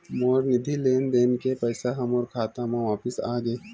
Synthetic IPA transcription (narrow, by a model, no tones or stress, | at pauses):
moːɾnɪd̪ʱileːnd̪eːnkepɛːsaɦɐmɔːɾkʰaːt̪ãmãʋaːpɪsaːɡeː